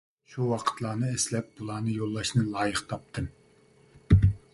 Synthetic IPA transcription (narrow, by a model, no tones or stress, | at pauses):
ʃuwɑqʰə̥t̪lˠɑːnɨeslɛp̚bulˠɑːnɨjolˠːɑʃnɨlˠɑːjəχt̪ʰɑp̚t̪ʰɨm